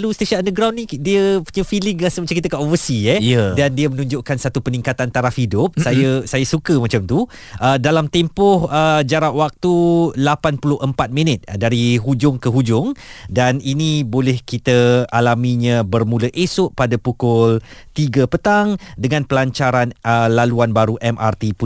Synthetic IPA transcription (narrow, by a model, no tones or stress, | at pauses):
lust̪eʃaʔandəɡɾawnːĩdiəpuɲəfilɪŋasəmat͡ʃamkit̪əkaʔofəsijədandiəmənũɲd͡ʒʊʔkansat̪upənĩŋkat̪ant̪aɾafhidʊp̚sajəsajəsukəmãt͡ʃamt̪u | ʔədalamt̪empɔhəd͡ʒaɾaʔwak̚t̪ulapanpulʊhʔəmpat̪̚mĩnət̪̚daɾiɦud͡ʒʊŋkəɦud͡ʒʊŋdaninĩbolɛhkit̪əalamĩɲãbərmũləʔesʊʔpadapukʊlt̪iɡəpət̪aŋdəŋãnpəlaɲt͡ʃaɾanəlaluanbaɾuʔɛmʔa̰rt̪ipu